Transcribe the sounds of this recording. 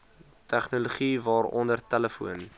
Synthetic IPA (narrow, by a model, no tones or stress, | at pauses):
tʰæχnuluχivɑːrɔ̰ndərtæləfṵən